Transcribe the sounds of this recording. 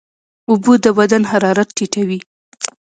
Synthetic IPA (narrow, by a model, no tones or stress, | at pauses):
ʊbud̪əbad̪anhaɾɑɾat̪̚ːiʈawi